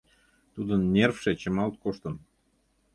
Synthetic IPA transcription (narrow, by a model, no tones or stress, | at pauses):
t̪ud̪ənːʲerfʃet͡ɕəmɑlt̪̚koʃt̪ən